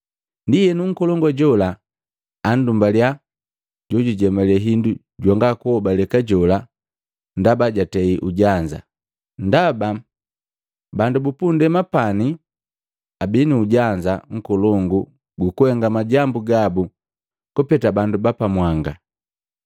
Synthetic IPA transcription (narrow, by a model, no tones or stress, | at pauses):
ndijɛnuŋ̩kɔlɔŋɡɔɟɔlaː | ndumbalja | ɟɔɟuɟɛmɛlɛɦindu | ɟwaŋɡakuhɔbalɛkaɟɔla | ndabaɟatɛiʔuɟaɲd͡ʒa̰ | ndaba | bandubupundɛmapani | abiniuɟaɲd͡ʒaŋ̩kɔlɔŋɡu | ɡukuhɛŋɡamaɟambuɡabu | kɔpɛtabandubapamwaŋɡa